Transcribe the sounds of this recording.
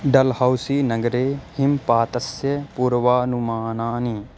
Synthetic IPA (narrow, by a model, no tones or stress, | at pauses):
ɖɐlhawsiːnɐɡɾeːhɪmpaːt̪ɐsjɐpuːɾʋaːnumaːnaːni